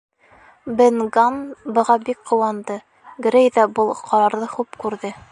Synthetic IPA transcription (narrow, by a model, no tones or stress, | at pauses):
bɘ̆nɡanbɤ̆ʁɑbik̚qŏwɑnd̪ɤ | ɡɾʲejðæbɤlˠqʰɒɾɑɾðɤχupkʉɾðɘ